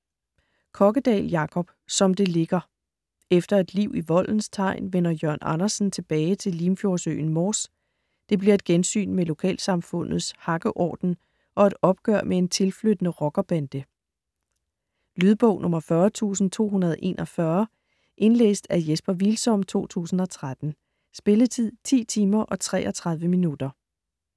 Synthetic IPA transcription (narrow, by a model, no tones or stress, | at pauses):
kʰɒ̽ɡ̥əd̥ɛ̰ːljɑ̈kʰɒ̽b̥sɒ̽md̥e̝le̝ɡ̥ɐ | efd̥ɐe̝d̥liʊ̰iʋɒ̽l̰n̩st͡sʰɑ̈ɪ̰nʋen̰ɐjɶɐ̰nɑ̈nɐsn̩t͡sʰe̝b̥ɛːɪt͡sʰe̝liːmfjo̝ɐsø̰ːn̩mɒːs | d̥e̝b̥liɐe̝d̥ɡ̥ensy̰ːnmelo̝kʰɛ̰ːlsɑ̈mfɔ̽n̰ð̞̩ˠshɑ̈ɡ̥əʔɒ̰ːd̥n̩ | ʔɒ̽e̝d̥ɒ̽b̥̚ɡ̥œɐ̰mʔee̝nt͡sʰe̝lflød̥ənəʁɒ̽ɡ̥ɐb̥ænd̥ə | lyːð̞ˠb̥ɔ̽ʊ̰nʔɔ̽mɐfɶɐt͡sʰṵːsn̩t͡sʰo̝̰ːɦunɐð̞ˠʔe̝̰ːnʔɒ̽fɶɐ | ʔe̝nlḛːsd̥æjesb̥ɐʋilsɒ̽mt͡sʰo̝̰ːt͡sʰṵːsn̩ɒ̽t͡sʰʁad̥n̩ | sb̥e̝lət͡sʰið̞̰ˠt͡sʰḭːt͡sʰiːmɐʔɒ̽t͡sʰʁɛ̰ːʔɒt͡sʰʁɑ̈ð̞ˠʋəminud̥ɐ